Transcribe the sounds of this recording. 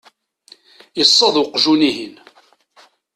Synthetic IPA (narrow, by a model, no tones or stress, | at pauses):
jəsˤːɑðˤwqːʒuniɦin